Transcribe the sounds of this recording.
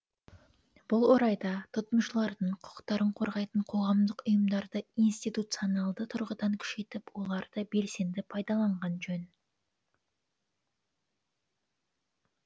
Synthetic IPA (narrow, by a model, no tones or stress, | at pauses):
b̥ʊlˠwo̞ɾɑjd̪ɑt̪ʰʊt̪əmʃəlˠɑɾd̪əɴqʰʊ̥qt̪ɑɾəɴqʰo̞ɾʁɑjt̪əɴqʰo̞ʁɑmd̪əqʊjəmd̪ɑɾd̪əinst̪ijt̪ut̪sijonɑlˠd̪ət̪ʰʊɾʁəd̪ɑŋkʲʰʏ̥ʃe̞t̪ɪpwo̞lˠɑɾd̪əbe̞lse̞nd̪ɪpʰɑjd̪ɑlˠɑɴʁɑnʒɵn